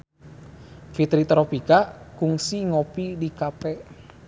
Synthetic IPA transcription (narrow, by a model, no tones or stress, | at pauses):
fit̪ɾit̪ɾopikakuŋsiŋopidikapɛ